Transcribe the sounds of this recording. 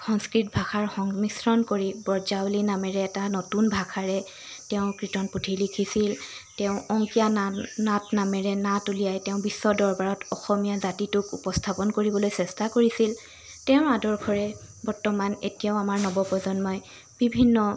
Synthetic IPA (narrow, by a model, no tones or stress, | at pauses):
xɔŋskɹit̚bʱaxaɹxɔŋmisɹɔnkoɹibɔɹzawlinamɛɹɛːtanotunbʱakʰaɹɛ | tɛʊ̃kɹitɔnputʰiɹlikʰisiltɛʊ̃ɔŋkijanatnamɛɹɛnatulijajtɛʊ̃bisːɔdɔɹbaɹɔtɔxɔmijazatitʊkupɔstʰapɔnkoɹibɔlojsɛstakoɹisil | tɛʊ̃adɔɹkʰɔɹɛ | bɔɹtɔmanḛtijaʊamaɹnɔbɔpɔzɔnmɔj | b̥ibʱinːɔ